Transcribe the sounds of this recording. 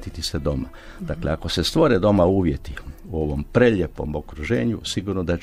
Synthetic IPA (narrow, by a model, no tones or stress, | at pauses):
t̪it̪ised̪o̞ma | d̪akleako̞se̞st̪ʋo̞ɾed̪o̞mauːʋje̞t̪iuo̞ʋo̞mpɾeʎepo̞̰mokɾuʒeːɲusiɡuɾnod̪a